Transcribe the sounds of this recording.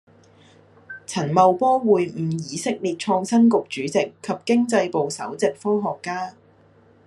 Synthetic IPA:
t͡sʰɐ˨˩nmɐ˨wpɔː˥wuː˨jm̩˨˩jiː˨˧sɪ˥k̚liː˨t̚t͡ʃʰɔː˧ŋsɐ˥nkʊ˨k̚t͡ʃyː˨˥t͡sɪ˨kʰːɐ˨p̚kɪ˥ŋt͡sɐ˧jpo˨wsɐ̰˨˥wt͡sɪ˨k̚fɔː˥ŋɦɔː˨˩kːaː˥

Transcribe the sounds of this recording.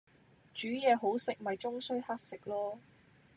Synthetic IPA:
t͡ʃyː˨˥jɛː˨˧ɦo˨˥wsɪ˨k̚mɐ˨jt͡sʊ˥ŋsɵ˥ɥha˥t̚sɪ˨k̚lɔː˥

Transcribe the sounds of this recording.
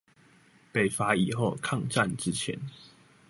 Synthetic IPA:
pe˨˩ɪfa˨˥i˨˩xo˥˨ʊkʰɑ˥˨ŋʈ͡ʂa˥˨nʈ͡ʂɻ̩˦t͡ɕʰjɛ̰˨˦n

